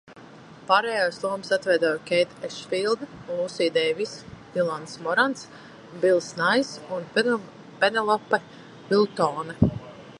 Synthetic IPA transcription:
paːɾɛjaslˠuɔmsat̪vɛjd̪ɔjkʲɛjt̪ɛʃfilˠd̪lˠusiːd̪ɛvisd̪ilˠant̪smɔɾans | bilˠsnajsun | pɛnɛlˠɔpːɛ | bilˠt̪ɔːnɛ

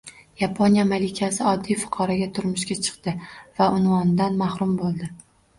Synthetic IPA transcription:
japʰonijamalɪkʲʰasɪɒd̪ːijfʊ̥qʰɒɾaɡʲat̪ʰʊɾmʊʃkʲat͡ʃʰɨ̥qt̪ɪvaʊnvɒnd̪anmahɾʊmbolˠd̪ɪ

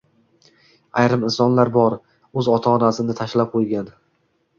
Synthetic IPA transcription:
ajɾɪmɪnsɒnlaɾbɒɾ | ɵzɒt̪ʰaːnasɪnɪt̪ʰaʃlap̚qʰojɡʲan

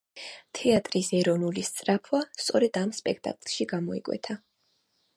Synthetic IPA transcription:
t̪ʰɛat̪ʼɾisɛɾɔnulist̪sʼɾapʰwast̪sʼɔɾɛd̪̥amspʼɛkʰt̪ʼa̰kʼlˠʃiɡamɔḭkʼwɛ̰t̪ʰa

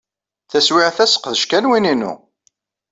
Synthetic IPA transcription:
θæswiʕaθæsə̥qːðəʃkænwininṵ

